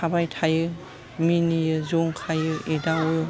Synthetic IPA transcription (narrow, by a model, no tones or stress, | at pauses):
abajtʰajɯ | minijɯzɔŋkʰajɯidawɯ